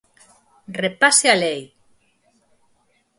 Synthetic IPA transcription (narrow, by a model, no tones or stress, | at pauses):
repasealej